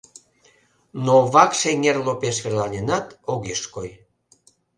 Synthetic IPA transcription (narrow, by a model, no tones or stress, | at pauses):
noβɑkʃeŋerlopeʃβerlɑnʲenɑt̪oɣeʃkoj